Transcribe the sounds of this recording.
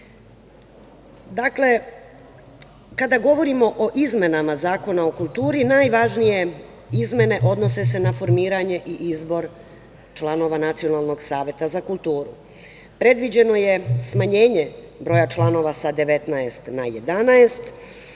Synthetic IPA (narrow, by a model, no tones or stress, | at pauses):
d̪akle̞ | kad̪aɡo̞ʋo̞ɾimo̞ʔoʔizme̞namazaːko̞nao̞kulˠt̪uːɾinaːjʋaʒnije̞ | izme̞ne̞ʔo̞d̪no̞se̞se̞nafo̞ɾmiːɾaɲe̞ʔiʔizbo̞ɾ | t͡ʃlˠano̞ʋanat̪sio̞nalˠno̞ɡsaːʋje̞t̪azakulˠt̪uːɾu | pɾe̞d̪ʋid͡ʑe̞no̞je̞smaɲe̞ːɲebɾo̞ːjat͡ʃlˠano̞ʋasad̪e̞ʋet̪naest̪najed̪anaest̪